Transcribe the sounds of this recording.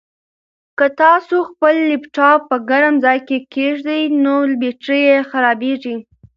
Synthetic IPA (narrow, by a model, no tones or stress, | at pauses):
kət̪ɑsoxpəlːɪpʈɑpəɡaɾamzɑjkekeʐd̪əjnolbeʈɾəjexaɾɑbeʐi